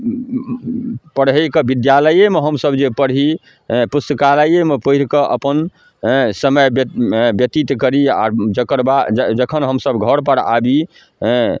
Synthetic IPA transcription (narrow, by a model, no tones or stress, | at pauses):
pəɽɦəjkəbid̪jaləjemeɦəmsəbd͡ʒepəɽɦi | pust̪əkaləjemepəiɾkəʔə̰pən | səməjbbjət̪it̪kəɾia̰ɾd͡ʒəkʰəɾbad͡ʒd͡ʒəkʰənɦəmsəbɡʱəɽpəɽa̰bĩ